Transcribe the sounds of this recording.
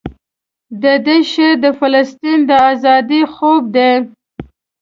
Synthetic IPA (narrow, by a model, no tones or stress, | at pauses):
d̪əd̪eʃed̪əfalast̪ind̪əazɑd̪ixob̚d̪e